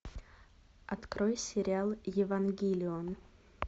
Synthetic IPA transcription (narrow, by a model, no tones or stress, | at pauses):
ɐt̪kɾojsʲɪɾʲɪalˠjɪvɐnɡʲilʲɪon